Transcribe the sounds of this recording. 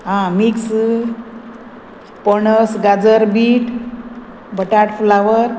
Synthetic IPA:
ɦãmiks | pəɳəsɡad͡zəɾbiʈ | bəʈaʈflaʋəɾ

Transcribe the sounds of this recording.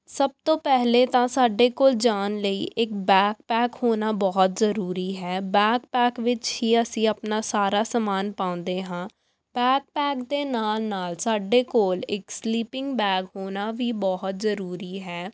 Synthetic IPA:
səb̚t̪õːpɛɦleːt̪ãːsaːɖeːkoːld͡ʒaːnləḭːʔɪk̚bɛːkpɛːkhoːnaːbɔːt̪zəɾuːɾiːɦɛːbɛːkpɛːkʋɪt͡ʃhiːəsĩːəpnaːsaːɾaːsəmaːnpãːʊ̃nd̪eːɦãː | bɛːk̚pɛːkd̪eːnaːlnaːlsaːɖeːkoːlɪksliːpɪ̃ŋɡbɛːɡɦoːnaːʋiːbɔɦʊt̪zəɾuːɾiːɦɛː

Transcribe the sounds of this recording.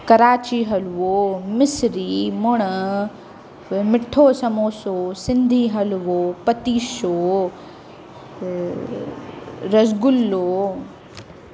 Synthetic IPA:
kɐɾaːt͡ɕiɦɐlʋoːmɪsɾimoɽ̃ə | mɪʈʰːoːsɐmoːsoːsɪ̃nd̪ʱiɦɐlʋoːpɐt̪iːʃoː | ɾɐzɡʊlːoː

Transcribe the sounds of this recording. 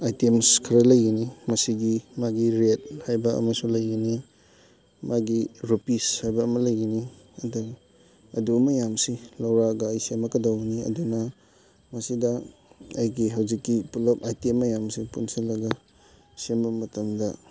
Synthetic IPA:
ajtemskʰɐɾɐlɐjɡinimɐsiɡimaɡiɾet̚hajbɐɐ̰mɐsuŋlɐjɡini | mʔaɡiɾupishajbɐːmɐlɐjɡiniɐdu | ɐdumɐjamsilɐwɾaɡɐːjsemɐkɐdawɡiniɐ̰dunɐ | mɐsidɐɐjɡiɦɐwzikːipulɐpajtemːɐjamsipunsɐlɐɡɐ | sembɐmɐtɐmdɐ

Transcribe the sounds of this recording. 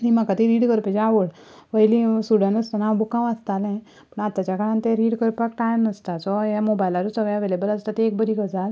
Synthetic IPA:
nimãkat̪iɾiːɖkəɾped͡ʒaʋoɽ | ʋəjlisuɽənəst̪anabukãʋast̪alẽ | pəɳat̪ːat͡ʃakaɾant̪eɾiːɽkəɾpak̚ʈajnəst̪asɔjamobajlaɾusəʋajaʋelebəlast̪at̪eːk̚bəɾikəd͡zal

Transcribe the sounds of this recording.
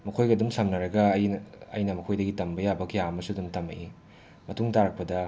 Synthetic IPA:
mɐkʰojɡɐdumsɐmnɐɾɐɡɐːjnɐ̰jnɐmɐkʰojdɐɡitɐmbɐjabɐkjaɐmɐsudumtɐmɐʔi | mɐtuŋtaɾɐk̚pɐdɐ

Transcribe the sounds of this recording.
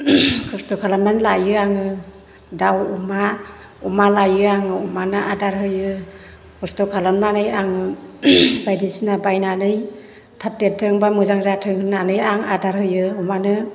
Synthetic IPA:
kʰɯstɔkʰalanmanlajɯaŋɯ | dawuma | umalajɯaŋɯumanɯʔadaɾɦɯjɯ | kʰɔstɔkʰalanmanɯjaŋɯ | bajdisnabajnanɯj | tʰap̚tetʰːɯŋbamɯzaŋzatʰɯŋhɯnːanɯjaŋadaɾhɯjɯumanɯ

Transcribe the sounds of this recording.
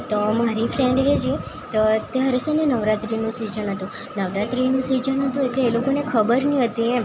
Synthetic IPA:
t̪omaɾifʰɾẽɳɖɦed͡ʒi | t̪ot̪eɦəɾesənenəʋɾat̪ɾinũsid͡ʒənɦət̪ũ | nəʋɾat̪ɾinũsid͡ʒənɦət̪ũekeːlokonekʰəbəɾniɦət̪iẽ

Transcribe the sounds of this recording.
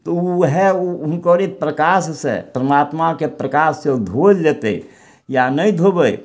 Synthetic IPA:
t̪ɔuɦɛuunkəɾepɾəkassḛpəɾəmat̪makepɾəkasːed̪ʱod͡ʒd͡ʒet̪ɛ | janəjd̪ʱobəj

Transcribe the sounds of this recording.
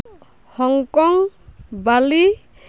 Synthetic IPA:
hɔŋkɔŋbali

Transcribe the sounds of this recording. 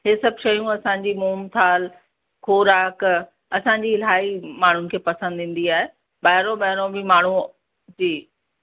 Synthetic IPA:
ɦeːsɐbʱʃɐjũɐsãɲ̆d͡ʑimuːmt̪ʰaːl | xʰoːɾaːk | ɐsãːɲ̆d͡ʑiɪlaːimaːɳ̤ʊnɪ̆kʰeːpɐsə̃nd̪ʱɪ̃ːn̆d̪iaːɦe | ɓaːɦɪɾõɓɐɦɪɾõbɪmaːɳ̤u | d͡ʑiː

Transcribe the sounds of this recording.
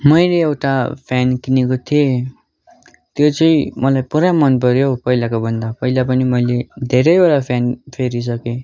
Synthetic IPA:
mʌjleːwʈapʰjankinekot̪ʰije | t̪jot͡sʌĩmʌlajpuɾamʌnpʌɾjopʌilakobʌnd̪apʌilapʌnimʌjled̪ʱeɾʌjbeɽapʰjanpʰeɾis̬ʌke

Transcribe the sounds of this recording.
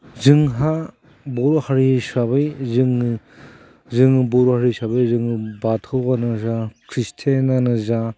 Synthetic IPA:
zɯŋɦa | bɔɾohaɾisaβɯjzɯŋ | zɯŋɯbɔɾɔhaɾisabajzɯŋbatʰɯwanɯzakʰɾistʰenanɯza

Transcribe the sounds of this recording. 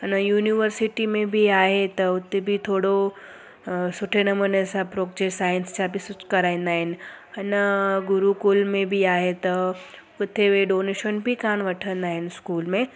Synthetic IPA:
ɐnəjuːniʋəɾsɪʈimẽbʱiaːɦet̪ɐʊt̪ebʱit̪ʰoːɽo | sʊʈʰenɐmənəsãpɾoːk̚d͡ʒesaːjɪnst͡ɕabʱisʊt͡ʃkɐɾaːĩːnd̪aːɦɪnɪ̆ | ɐnəɡʊɾukulmẽbʱiaːɦet̪ɐkʊt̪ʰeʋeɖoːneʃənbʱikaːñʋɐʈʰə̃nd̪aːɦɪnɪskuːlmẽ

